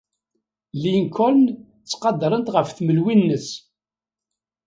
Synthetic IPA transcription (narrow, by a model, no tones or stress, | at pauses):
liŋkʰɔln | t͡sːqɑd̪ɾˤənt̪ʁəfθməlwinːəs